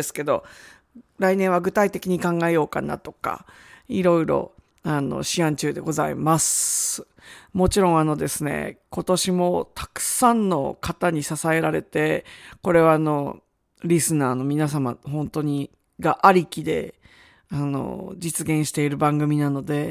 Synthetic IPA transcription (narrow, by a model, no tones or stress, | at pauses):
sɨ̥ke̞d̪o̞ | ɾainẽ̞ɰ̃βaɡɯ̟t̪ait̪e̞kʲiɲ̟ikãŋɡaejo̞ːka̰na̰t̪o̞̥ka̰ | iɾo̞iɾo̞̰ | ano̞̰ɕiãɲt͡ɕɨːd̪e̞ɡo̞zaḭmas | mo̞t͡ɕiɾõɰ̃ano̞d̪e̞sɨne̞̰ko̞t̪o̞ɕimo̞t̪ʰḁkɯ̟̥sãnːo̞̰kat̪aɲ̟isasae̞ɾaɾe̞̰t̪e̞ko̞ɾe̞βaːno̞ | ɾʲisɨnaːno̞mʲinas̬ama̰ɦõ̞nt̪o̞ɲ̟i | ɡaʔaɾʲikʲid̪e̞̰ | ano̞̰d͡ʑit͡sɨɡẽ̞ɰ̃ɕi̥t̪e̞iɾɯ̟bãŋɡɯ̟mʲinano̞d̪e̞